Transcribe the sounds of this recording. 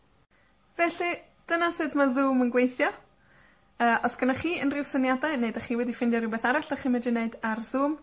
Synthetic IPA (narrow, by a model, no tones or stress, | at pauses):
vɛɬi | d̥ənasɨdmazuːmənɡwejθjɔ | əːʔɔsɡ̥ənaχiːənrɪwsənjadaɨneɨdaχiːwɛdifɪndjɔɾɪwbeːθaɾaɬaχimɛdineɨdarzuːm